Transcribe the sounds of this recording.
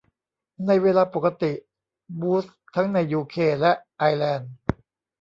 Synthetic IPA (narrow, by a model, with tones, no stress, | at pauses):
na˧jweː˧laː˧po˨˩ka˧t̪i˨˩ʔ | buː˦˥s | t̪ʰa˦˥ŋna˧jːuː˧kʰeː˧˩lɛ˦˥ʔʔa˧jlɛː˧˩n